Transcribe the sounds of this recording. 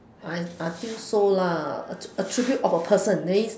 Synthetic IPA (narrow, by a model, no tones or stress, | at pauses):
ajajfilsolaə̰ətʰɹ̥ibjutɔfəpʰəsə̃nːes